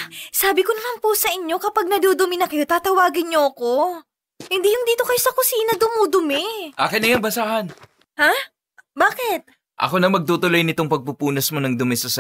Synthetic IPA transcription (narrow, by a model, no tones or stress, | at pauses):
saːbɪkonɐmampusɐʔɪɲːo̞kɐpaɡ̚nɐd̪uːd̪ʊmɪnɐkɐjo̞t̪aːt̪ɐwaːɡɪnɲoɐko̞ | hɪnd̪ijʊŋd̪iːt̪o̞kɐjosɐkʊsiːnɐd̪ʊmuːd̪ʊmɛʔa̰ːkɐjnɐjɐŋbɐsaːhɐn | ha | baːkɪt̪̚ | ʔɐ̰ko̞nɐmɐɡ̚t̪uːt̪ʊlojnɪt̪o̞ŋpɐɡ̚pupuːnɐsmonɐŋd̪ʊmɛsɐs